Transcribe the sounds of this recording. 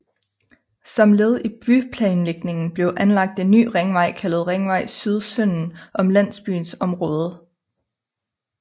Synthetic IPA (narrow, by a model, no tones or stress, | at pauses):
sɒ̽mle̝ð̞ˠib̥ypʰlɛːnleɡ̥ne̝ŋn̩b̥le̝ʊʔænlɑ̈ɡ̥̚d̥e̝nːy̰ːʁeŋʋɑ̈ɪ̰kʰælð̞̩ˠʁeŋʋɑ̈ɪ̰syð̞ˠsøn̰n̩ʔɒ̽mlæn̰sb̥y̰ːnsɒ̽mʁɔ̽ːð̞ˠ